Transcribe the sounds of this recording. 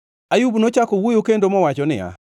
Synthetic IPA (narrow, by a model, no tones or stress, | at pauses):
ajubnot͡ʃakowujokendomɔwat͡ʃɔnɪ̰ja̰